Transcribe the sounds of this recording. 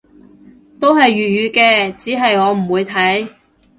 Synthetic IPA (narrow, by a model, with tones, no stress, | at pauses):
t̪o˥wɦɐ˨jːyː˨t̚ɥyː˨˧kɛː˧t͡siː˨˥ɦɐ˨jŋɔː˨˧m̩˨˩wuː˨˧jt̪ʰɐ˨˥j